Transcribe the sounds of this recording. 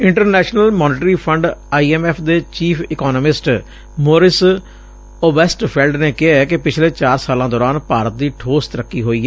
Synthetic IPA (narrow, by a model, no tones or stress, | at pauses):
ɪɳʈəɾnɛːʃnəlmɔːneːʈɾiːpʰəɳɖaːiːɛːmɛːpʰd̪eːt͡ʃiːpʰɪkɔːnəmɪsʈ | moːɾɪs | oːbɛːsʈpʰɛːlɖneːkɪɦakɪpɪt͡ʃʰlẽːt͡ʃaːɾsaːlãːd̪ɔːɾaːnpaːɾət̪̚d̪iːʈʰoːst̪ɾəkːiːɦoːiːɛː